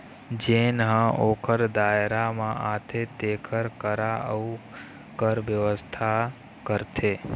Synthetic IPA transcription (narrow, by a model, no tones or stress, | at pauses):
d͡ʒenɦə̃ʔoːkʰəɾd̪ajɾamãʔat̪ʰet̪ekʰəɾkəɾaʔəu | kəɾʋjəʋəst̪ʰa | kəɾt̪ʰe